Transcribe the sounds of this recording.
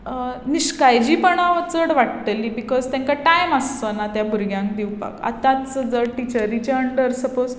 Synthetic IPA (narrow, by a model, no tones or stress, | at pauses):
niɕkajd͡ʑiːpəɳaʋət͡səɽʋaʈt̪əliːbikɔzt̪jãŋkaʈajməst̪onat̪jabʱuɾɡjãŋk̚d̪iwpa̰ka̰t̪ãt͡st͡səd͡zəʈit͡ɕəɾit͡ɕeəɳɖəɾsəpoz